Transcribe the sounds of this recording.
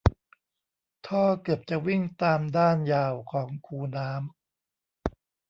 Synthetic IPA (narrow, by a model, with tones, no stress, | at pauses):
t̪ʰɔː˥˩kɤ˨˩p̚t͡ɕa˨˩wi˥˩ŋt̪aː˧mdaː˥˩njaː˧wkʰɔː˩˦ŋkʰuː˧naː˦˥m